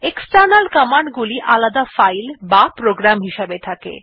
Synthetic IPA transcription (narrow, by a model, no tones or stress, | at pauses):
eksʈaɾnalkɔmaɳɖɡuliʔalad̪afajlbapɾoɡɾamɦiʃebet̪ʰakḛ